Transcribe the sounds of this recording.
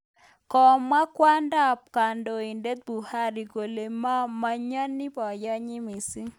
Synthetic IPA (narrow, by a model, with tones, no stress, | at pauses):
kɔ˨mːa˦kwa˦nda˦p̚ka˨ndɔ˨i˨nde˦t̪̚bu˨ha˦ɾi˨ɡo˨le˨ma˦ma˦ɲa˦nːi˦pɔ˨ja˦ɲi˦mi˨si˦